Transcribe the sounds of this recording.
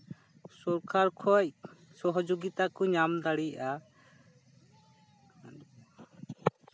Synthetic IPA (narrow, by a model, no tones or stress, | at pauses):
sɔɾkʰaɾkʰɔjsɔɦɔd͡ʒoɡit̪akɔɲamd̪aɽijaʔa